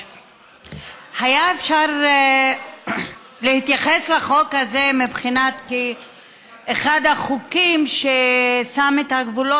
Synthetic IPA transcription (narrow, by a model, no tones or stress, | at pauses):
hajaefʃaʁ | lehit̪jaχeslaχo̞khazemibχinat̪ki | eχad̪aχukimʃesamet̪aɡvulo